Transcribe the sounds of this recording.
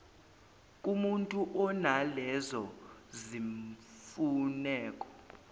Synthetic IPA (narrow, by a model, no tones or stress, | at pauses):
kʼumuntʼuʔɔnalɛzɔziɱfunɛːkʼɔ̥